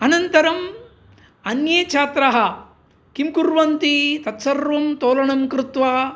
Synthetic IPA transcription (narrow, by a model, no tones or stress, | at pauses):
ɐnɐnt̪ɐɾɐm | ɐnjeːt͡ʃʰaːt̪ɾɐɦɐ̆ | kimkuɾʋɐnt̪it̪ɐt̪sɐɾʋɐmt̪oːlɐɳɐmkɾut̪ʋaː